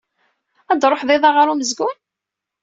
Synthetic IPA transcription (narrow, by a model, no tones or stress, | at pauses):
æd̪ɾˤoħðˤɪðˤɑʁəɾuməzɡʊn